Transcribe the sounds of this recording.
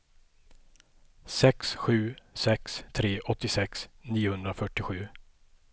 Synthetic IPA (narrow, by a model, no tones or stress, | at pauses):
sɛksɧʉ̟ːsɛkst̪ʰɾeːʔɔt̪ːɪsɛksniːʊhɵnd̪ɾafœʈːɪɧʉ̟ː